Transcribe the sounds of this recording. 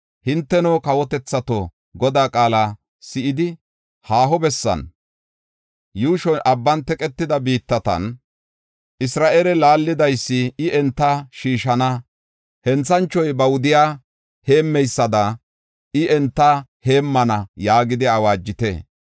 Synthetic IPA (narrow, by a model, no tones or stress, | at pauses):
hɪnt̪ːɛnoːkɐwɔt̪ɛt͡sːɐt̪o | ɡɔd̪aːkʼaːla | sɪʔɪd̪ɪ | haːɦɔbɛsːɐ̰n | juːʃɔnʔɐbːɐnt̪ɛkʼɛt̪ːɪd̪ɐbiːt̪ːɐt̪ɐ̰n | ʔɪsɾaːʔelɛlaːlːɪd̪ɐjsːɪɪʔɛnt̪ːɐʃiːʃɐnɐ | hɛnt͡sːɐnt͡ʃːɔjbɐwʊd̪ɪjaː | he̞ːmːɛjsːɐd̪ɐ | ɪɛnt̪ːɐhe̞ːmːɐnɐjaːɡɪd̪ɪawaːd͡ʒːɪt̪ḛː